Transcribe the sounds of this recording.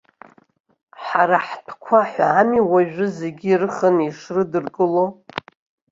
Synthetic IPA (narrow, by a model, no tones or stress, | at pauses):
ħaɾaħtʰkʷʰaħʷaamiwaʒᶣʊze̞ɡʲirɨχəniʂrɨdɨrkʼɨlo